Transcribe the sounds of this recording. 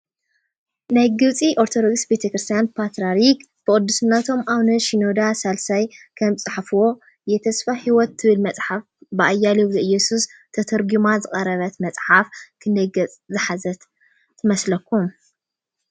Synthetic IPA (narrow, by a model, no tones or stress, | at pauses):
najɡɨβt͡sʼiʔoɾt̪ʰod̪oɡsbe̞t̪ʰekɾɨst̪ʰjanpʰat̪ɾaɾik | b̥ɨkʼɨd̪ːusɨnːɐt̪ʰo̞mʔaβnɨʃinod̪asalsajkʰɐmt͡sʼɨħfuwo̞ | jɛt̪ʰɐsfahiwɔt̪ːɨβɨlmɐt͡sʼħafbɨʔajːaliwzɨɨjːɛsust̪ʰɐt̪ʰɐɾɡumazɨχʼɐɾɐβɐt̪mɐt͡sʼħafkʰɨnd̪ɐjɡɐt͡sʼzɨħazɐt̪ | t̪ʰɨmɐslɐkːum